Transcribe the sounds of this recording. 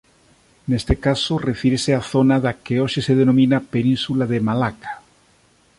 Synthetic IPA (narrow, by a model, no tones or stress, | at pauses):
nest̪ekasorefiɾeseaθonaðakeoʃeseðenomĩnapenĩnsulaðemalakḁ